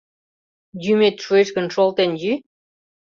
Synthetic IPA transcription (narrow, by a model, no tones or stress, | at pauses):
jymet̪ʃueʃkə̆nʃolt̪enjy